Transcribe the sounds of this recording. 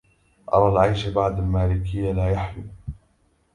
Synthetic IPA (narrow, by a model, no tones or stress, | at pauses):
ʔɑ̰ɾˤɑːlʕajʃabaʕd̪almaːlɪkɪjːalaːjaħjuː